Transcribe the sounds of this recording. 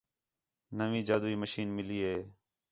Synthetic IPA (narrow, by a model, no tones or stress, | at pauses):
nəʋĩːd͡ʒaːd̪uːiːməʃiːnmɪliːɦeː